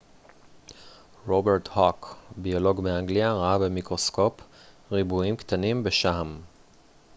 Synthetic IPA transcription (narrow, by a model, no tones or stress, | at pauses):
ʁobeʁt̪hokbio̞lo̞ɡmeaŋɡliaʁaabemikʁo̞sko̞p | ʁibuimkt̪animbeʃam